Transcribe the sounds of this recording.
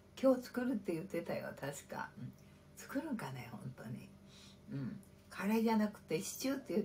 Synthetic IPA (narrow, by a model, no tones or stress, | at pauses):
kʲo̞ːt͡sɨ̥kɯ̟ɾɯ̟t̪ːe̞jɯ̟t̪ːe̞t̪ajo̰t̪ʰaɕi̥ka̰ɯ̟̃ | t͡sɨ̥kɯ̟ɾɯ̟̃ŋkane̞hõ̞̰nt̪o̞̰ɲ̟ḭ | ɯ̟̃ɴ | kʰaɾaid͡ʑanakɯ̟̥t̪ːe̞ɕi̥t͡ɕɨːt̪ːejɯ̟